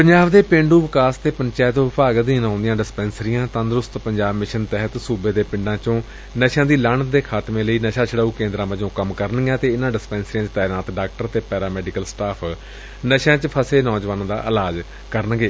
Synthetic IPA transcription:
pəɲd͡ʒaːʋd̪eːpɪ̃ɳɖuːʋɪkaːst̪eːpəɲt͡ʃaːt̪õʋɪpaːɡ̪d̪iːnãːnd̪ɪjãːɖɪspɛːnsəɾijãːt̪ãːnd̪ɾʊst̪pəɲd͡ʒaːbmɪʃənt̪ɛɦət̪suːbeːd̪eːpɪ̃ɳɖãːt͡ʃõː | nəʃãːd̪iːlaːɳd̪eːkʰaːt̪mẽːləiːnəʃaːt͡ʃʰəɽaːuːkẽːnd̪ɾãːməd͡ʒõːkəmkəɾənɡjãːt̪eːɪnãːɖɪspɛ̃ːnsɾijãːt͡ʃət̪aːɾnaːt̪ɖaːkʈəɾt̪eːpɛːɾaːmɛːɖɪkəlsʈaːpʰ | nəʃãːt͡ʃəpʰəseːnɔːd͡ʒʋaːnãːd̪a̰ːʔəlaːd͡ʒ | kəɾənɡeː

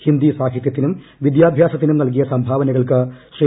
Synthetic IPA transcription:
hind̪isaːkʰit̪jɐt̪ːinum | ʋid̪jaːbʱjaːsɐt̪ːinumnɐlk̬ijɐsɐmbʱaːʋɐnɐɣɐɭkɨɕre

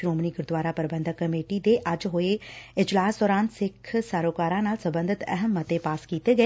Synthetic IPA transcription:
ɾoːmniɡʊɾd̪ʋaːɾapɐɾbə̃nd̪ʱəkːɐmeːʈid̪eʔɐd͡ʒɦoeɪd͡ʒlaːsd̪ɔːɾaːnsɪkʰsaːɾoːkaːɾãnaːlsɐ̃mbə̃nd̪ʱɪt̪ɛ̰ɦəmːɐt̪epaːskiːt̪eɡɐ

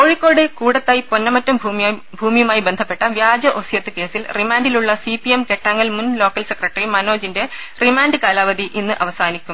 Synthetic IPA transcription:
koɻikːo̞ːɽɨkuːɽɐt̪ːɐjiponːɐmɐtːɐmbʱu | bʱuːmijɐmaːjibend̪ʱɐpːe̞ʈːɐʋjaːd͡ʑɐʔosjɐt̪ːɨke̞ːsilrimaːndiluɭːɐsipiemke̞ʈːaːŋːɐlmunlo̞ːkːɐlsekrɐʈːɐrimɐno̞ːd͡ʑinde̞ | rimaːnɖɨkaːlaːʋɐd̪iʔinːɨʔɐʋɐsaːnikʲːum

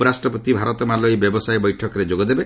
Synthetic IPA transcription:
ɔɾasʈɾɔpɔt̪ibʱaɾɔt̪ɔmalɔjbjɔbɔsajbɔjʈʰɔkɔɾed͡ʒoɡɔd̪ebe

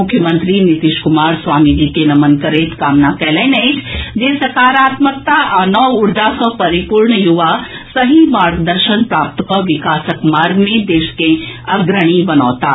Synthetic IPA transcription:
ʊkʰjəmə̃nt̪ɾinit̪iʃkʊmaːɾsʋaːmid͡ʒiːkenɐmənkəɾeːt̪kaːmnakɛːlɛnɛit͡ʃʰd͡ʒeːsɐkaːɾaːt̪mək̚t̪aʔɐnɔːʊɾd͡ʒasɔ̃pɐɾipuɾɳəjuʋa | sɐɦimaːɾɡd̪əɾʃənpɾaːp̚t̪kɔʋɪkaːsəkmaːɾɡmẽd̪eːʃkẽɐɡɾəɽ̃ibɐnɔːt̪aː

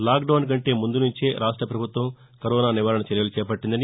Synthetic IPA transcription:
laːkɖɐwnk̬ɐɳʈe̞ːmund̪unuɲt͡ʃeːɾʔaːʂʈɾɐpɾɐbʱut̪ʋɐm | kɐɾɔːnaːniʋaːɾɐɳɐt͡ʃɐɾjɐlut͡ʃɛːpɐʈːind̪ɐni

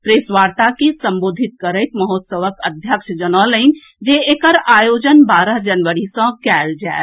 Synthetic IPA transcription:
pɾesʋaːɾt̪akisə̃mboːd̪ʱit̪̚kəɾəɪt̪məɦot̪səʋəkəd̪ʱjəkʃd͡ʒənaləin | d͡ʒeekəɾaːjoːd͡ʒənbaːɾəɦd͡ʒənʋəɾisãkɛːld͡ʒae

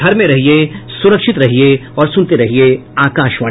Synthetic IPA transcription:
ɐɾmẽɾɐɦiesʊɾəkʃɪt̪ɾɐɦieɔːɾsʊnt̪eɾɐɦieaːkaːʃʋɐ

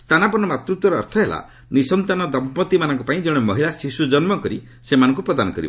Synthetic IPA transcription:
st̪ʰanapɔnɔmat̪ɾut̪wɔɾɔ̰ːɾt̪ʰɔɦela̰ | nisɔnt̪anɔd̪ɔmpɔt̪imanɔ̃ŋkɔpaĩd͡ʒeɽ̃ɔmɔɦilasisud͡ʒɔnmɔkɔɾi | semanɔ̃ŋkupɾɔd̪anɔkɔɾib̰

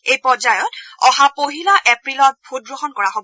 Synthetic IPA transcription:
ejpɔzajɔtɔhapoɦilɔʔepɹilɔt̚bʱut̚ɡɹoxɔnkɔɹaɦob

